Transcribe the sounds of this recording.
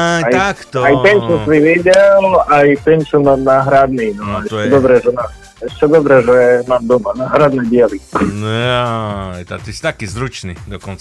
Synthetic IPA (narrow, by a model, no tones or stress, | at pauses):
ajkt̪ajt̪ɛɲt͡ʃusiʋiɟɛlajt̪ɛɲt͡ʃunanaːɦɾad̪ninɔaɛt͡ʃɛd̪ɔbɾɛʒɛma | ɛʃt͡ʃɛd̪ɔbɾɛʒɛmaːmd̪ɔmanaːɦɾad̪nɛbɪɛli | jt̪a̰t̪isi̥t̪akizɾut͡ʃnḭd̪ɔkɔnt͡sa